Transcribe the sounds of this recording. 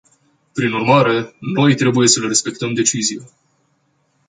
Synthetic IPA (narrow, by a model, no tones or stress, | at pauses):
pɾinurmaɾe̞no̞jt̪ɾe̞buje̞səleɾe̞spe̞k̚t̪əmd̪e̞t͡ʃizije